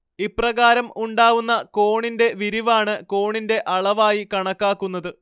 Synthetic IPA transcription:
iprɐɣaːɾɐmuɳɖaːʋunːɐko̞ːɳinde̞ʋiɾiʋaːɳɨko̞ːɳinde̞ʔɐɭɐʋaːjikɐɳɐkːaːkːunːɐðɨ

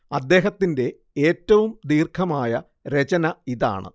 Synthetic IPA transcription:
ɐd̪ːe̞ːɦɐt̪ːinde̞ | eːtːɐʋumd̪iːrkʰɐmaːjɐ | ɾe̞t͡ɕɐnɐiða̰ːɳɨ̰

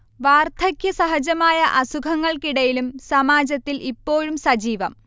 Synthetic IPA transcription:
ʋaːrt̪ʰɐkʰjɐsɐɦɐd͡ʑɐmaːjɐʔɐsukʰɐŋːɐɭkiɽɐjilumsɐmaːd͡ʑɐt̪ːilʔipːo̞ːɻumsɐd͡ʑiːʋɐm

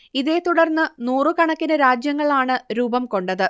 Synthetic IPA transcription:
iðeːt̪uɽɐrnːɨnuːrɨkɐɳɐkːinɨɾaːd͡ʑjɐŋːɐɭaːɳɨɾuːbɐmko̞ɳɖɐðɨ

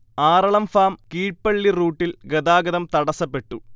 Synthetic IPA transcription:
aːɾɐɭɐmfaːmkiːʈ̚pɐɭːiruːʈːilɡɐd̪aːɡɐðɐmt̪ɐɽɐsɐpːe̞ʈːu

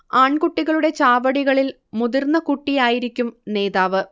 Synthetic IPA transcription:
aːɳkuʈːiɣɐɭuɽe̞t͡ɕaːʋɐɽiɣɐɭil | muðirnːɐkuʈːijaːjiɾikʲːumne̞ːðaːʋɨ

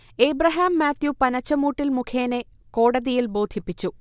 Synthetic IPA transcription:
eːbrɐɦaːmːaːt̪jupɐnɐt͡ɕːɐmuːʈːilmukʰeːne | ko̞ːɽɐðijilbo̞ːd̪ʱipːit͡ɕːu

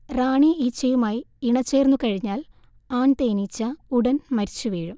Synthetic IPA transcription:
raːɳiit͡ɕːɐjumaːjiiɳɐt͡ɕːe̞ːrnːukɐɻiɲːaːl | aːɳt̪eːnit͡ɕːɐuɽɐnmɐɾit͡ɕːuʋeːɻum

